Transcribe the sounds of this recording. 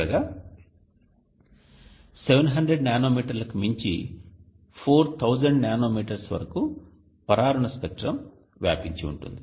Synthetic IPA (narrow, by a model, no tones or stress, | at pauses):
ɐɡaː | seʋenɦɐɳɖɾeɖnjaːnoːmiːʈɐɾlɐkumiɲt͡ʃḭ | pʰoːɾt̪ʰɐwd͡ʒɐɳɖnaːno̞ːmiːʈɐɾsʋɐ̰ɾɐku | pɐɾaːɾɐɳɐskɐk̚ʈɾɐm | ʋja̰ːpiɲt͡ʃiṵɳʈṵnd̪i